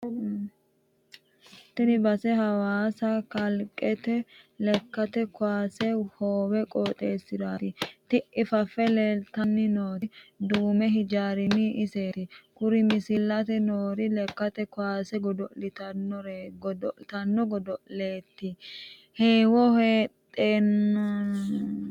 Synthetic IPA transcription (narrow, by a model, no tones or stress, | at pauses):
t̪ːɪnɪbɐsɛɦɐwaːsɐkɐlkʼːɛt̪ɛlɛkːɐt̪ɛkʊaːsɛhoːwɛkʼoːt̪ʼeːsɪd̪aːt̪ɪt̪ɪʔɪfɐfːɛleːlt̪ɐnːɪnoːtd̪uːmɛɦɪd͡ʒaːɾɪnːɪʔɪse̞ːt̪ɪkʊɾɪmɪsɪlːɐt̪ɛnoːɾɪlɛkːɐt̪ɛkwaːsɛɡɔd̪ɔlɪt̪ɐnːɔɾɡɔt̪ɐnːɔɡɔd̪ɔle̞ːt̪ːɪ | heːwɔhe̞ːt̪ʼːeːnːɔ